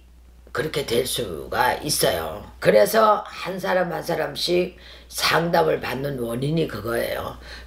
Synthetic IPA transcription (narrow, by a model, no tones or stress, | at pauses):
kɯɾʌkʰe̞twe̞ɭs͈ṵɡais͈ʌjo̰kɯɾe̞sʰʌhansʰaɾamhansʰaɾamɕ͈ʰi | sʰaŋdamɯɭpanːɯnwʌɲiɲikɯɡʌḛjo̰